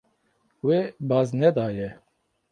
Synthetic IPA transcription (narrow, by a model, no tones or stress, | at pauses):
weːbɑːznɛd̪ɑːjɛ